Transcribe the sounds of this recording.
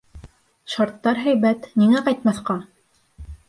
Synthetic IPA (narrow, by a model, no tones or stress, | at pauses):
ʃɑɾt̪ːɑɾɦæjβæt̪niŋæqɑjt̪̚mɑθqɑ